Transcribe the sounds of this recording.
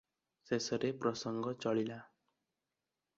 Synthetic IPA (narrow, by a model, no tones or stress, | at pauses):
sesʌɾeprʌsʌŋɡʌt͡sʌɭila